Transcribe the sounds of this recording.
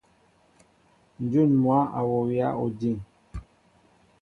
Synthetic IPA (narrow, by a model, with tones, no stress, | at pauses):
n̩˨d͡ʒu˦˨nmwa˨˦ʔa˨wɔ˨wja̰˦o˨di˦˨ŋ